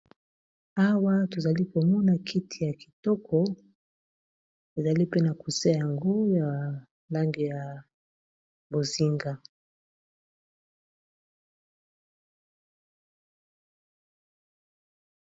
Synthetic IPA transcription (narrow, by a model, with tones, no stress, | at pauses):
a˦wa˦to˨za˨li˦ko˨mɔ˦na˨kʰi˦tʰi˨ja˨ki˨tɔ˦kʰɔ˨ | e˨za˨li˦pe˦na˨ku˨sa˦ja˨ŋɡo˦ja˨ | la˦ŋɡi˨ja˨ | bo˨zi˦ŋɡa˨